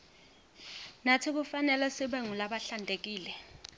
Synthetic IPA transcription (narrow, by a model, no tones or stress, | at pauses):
natʰik̬ufanɛlɛsiɓɛŋulaɓaɬandʱek̬iːlɛ